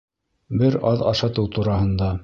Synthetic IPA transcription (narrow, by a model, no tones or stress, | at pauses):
bɘɾɑðɑ̰ʃɑt̪ɤwt̪uɾɑɦɤ̆nd̪ɑ